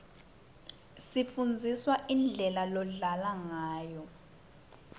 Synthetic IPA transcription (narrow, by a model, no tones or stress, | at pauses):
sifund͡zʱiswaʔind͡ɮʱɛlalɔɮalaŋaːjɔ